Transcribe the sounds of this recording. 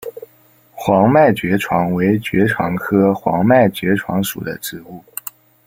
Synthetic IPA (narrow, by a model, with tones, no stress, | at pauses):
xwɑ˧˥ŋma˥˩ɪt͡ɕɥɛ˧˥ʈ͡ʂʰwɑ˧˥ŋwe˧˥ɪt͡ɕɥɛ˧˥ʈ͡ʂʰwɑ̰˧˥ŋkʰɤ˥xwɑ̰˧˥ŋma˥˩ɪt͡ɕɥɛ˧˥ʈ͡ʂʰwɑ̰˧˥ŋʂṵ˨˩d̪ə̰˦ʈ͡ʂɻ̩˥˧u˥˩